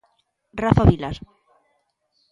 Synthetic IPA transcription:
rafaβilas

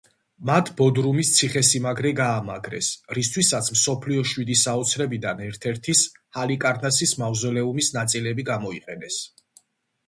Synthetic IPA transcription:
mat̪ʰbɔd̪ɾumist̪sʰiχɛsimaɡɾɛɡaːma̰ɡɾɛ̰sɾist̪ʰwisat̪sʰmsɔpʰliɔʃwid̪isaɔt̪sʰɾɛbid̪anɛɾt̪ʰɛɾt̪ʰishalikʼaɾnʰasismavzɔlɛumisnat̪sʼilɛbiɡamɔiqʼɛnɛs

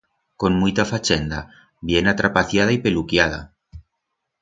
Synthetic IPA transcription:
konmujt̪afat͡ʃend̪a̰ | bjenat̪ɾapaθjað̞aipelukjað̞a̰

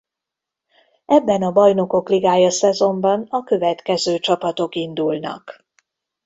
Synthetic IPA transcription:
ʔɛbːɛnɒbɒjno̞ko̞kliɡaːjɒsɛzo̞mbɒnɒkø̞vɛt̪kɛzøːt͡ʃɒpɒt̪o̞kind̪ulnɒ̰k

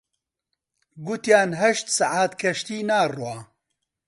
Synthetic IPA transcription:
ɡʊt̪jaːnɦɐʃt̪saʕaːt̪kʰɐʃt̪iːnaːrwaː

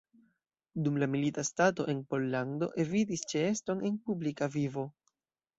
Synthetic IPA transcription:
dumlamilitastato̞̰ʔe̞npo̞lːando̞̰ʔe̞vitist͡ʃeesto̞ne̞npublikavivo̞

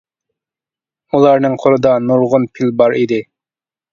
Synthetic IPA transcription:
ulˠɑɾnɨŋqʰoɾˠɨd̪ɑnuɾʁʊnpʰilbɑɾid̪ɪ

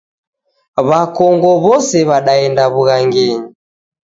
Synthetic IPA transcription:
βakɔŋɡɔβɔsɛβaɗaɛndaβuɣaŋɡɛɲi

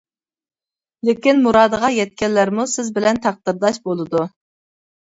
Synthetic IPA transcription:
lɪkʲinmuɾɑːd̪əʁɑjɛt̪̚kʲɛnlæɾmusɪzbɪlɛnt̪ʰɑq̚d̪ɨɾd̪ɑʃbolˠɨd̪u

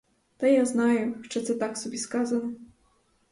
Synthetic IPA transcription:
t̪ɐjaznajɛʂt͡ʂɨt̪sɛt̪aksɔbʲiskazɐnɐ

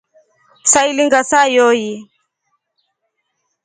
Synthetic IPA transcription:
sailiŋɡasajɔji

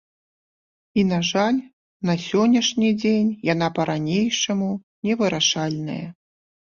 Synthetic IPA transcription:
in̪aʐalʲ | nɐsʲɔnʲːɐʂnʲid͡zʲenʲjan̪apɐɾanʲejʂɐmu | nʲɛvɨɾaʂalʲnɐ̰jɐ

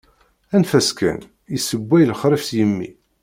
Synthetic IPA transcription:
ænfæskæ̰n | isəbʷːæjlχɾəfsjəmːḭ

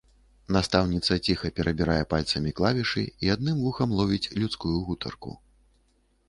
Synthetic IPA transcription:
nast̪awnʲit̪sɐt͡sʲixɐpʲɛɾʔɐbʲiɾajɛpalʲt̪sɐmʲiklˠavʲiʂɨ̰iad̪̚nɨmvuxɐmlˠɔvʲit͡sʲlʲut̪skujuɣut̪ʰɐ̰rkṵ

